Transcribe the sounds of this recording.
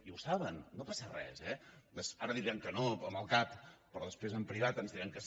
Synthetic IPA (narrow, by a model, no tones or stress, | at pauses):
iuwsaβənːopasərɛ̰zɛd̪əsaɾəðiɾiɛəŋkənoəməlˠkappɾɔðəspɾezəmpɾiβ̞at̪ənzðiɾiəŋkəs